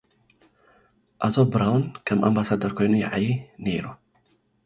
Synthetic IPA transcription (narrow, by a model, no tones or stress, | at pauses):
ʔat̪ʰobɾawnkʰɐmʔambasad̪ɐɾkʰo̞jnujaʕajineɾu